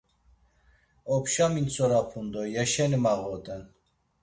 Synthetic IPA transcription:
ɔpʰʃaminsʰʼɔɾapʰund̪ɔjɛʃɛnimaʁɔt̪ʼɛn

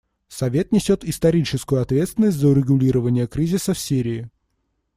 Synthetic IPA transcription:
sɐvʲe̞t̪nʲɪsʲo̞t̪ɪst̪ɐɾʲit͡ɕɪskʊjʊɐt̪vʲe̞t̪st̪vʲɪnːəsʲt̪ʲzəʊɾʲɪɡʊlʲiɾəvənʲɪjəkɾʲizʲɪsəfsʲiɾʲɪː

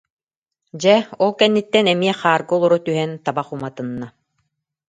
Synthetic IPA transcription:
d͡ʑɛɔlˠkɛnːit̪ːɛnɛmiɛχaːɾɡɯɔlˠɔɾɔt̪yɦɛnt̪abaχumat̪ɯnːa

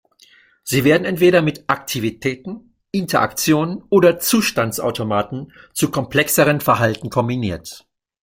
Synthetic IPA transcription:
z̥iːveːɐdn̩ɛntv̥eːɾɐmɪtʔaktʰivitʰɛːtn̩ | ʔɪntʰɐʔa̰kt͡sjoːnənʔoːdɐt͡suːʃtant͡sʔa̰ʊtʰomaːtn̩ | t͡sukʰɔmpl̥ɛksəʁənfɛɐɦaltn̩kʰɔmbiniːɐt

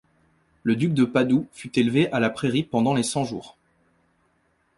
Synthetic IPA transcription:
ləd̪yk̚d̪əpad̪ufyt̪elveʔalapχeʁipɑ̃d̪ɑ̃lesɑ̃ʒuːʁ

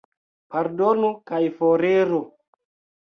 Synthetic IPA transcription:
paɾdonukajfoɾeɾu

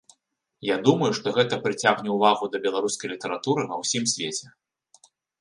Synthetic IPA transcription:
jad̪umɐjuʂt̪ɔɣɛt̪ɐpɾɨt͡sʲaɣnʲɛwvaɣud̪ɐbʲɛlˠaɾuskɐjlʲit̪ɐɾat̪uɾɨnɐwsʲimsʲvʲet͡sʲɛ

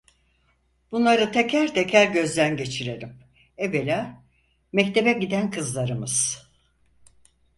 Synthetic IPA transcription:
b̥unlˠaɾɯt̪ʰe̞cʰæɾt̪ʰecʰæɾɟø̞zlʲænɟe̞t͡ʃʰiɾeɾim | evelʲaː | mɛct̪ʰe̞bɛɟid̪ænkʰɯzlˠaɾɯmɯz̥

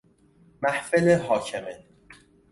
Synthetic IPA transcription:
mæhfeleɦɒːcʰeme

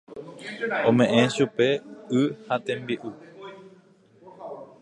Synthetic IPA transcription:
õmẽ̞ʔẽʃupe̞ɨhat̪ẽmbiʔu

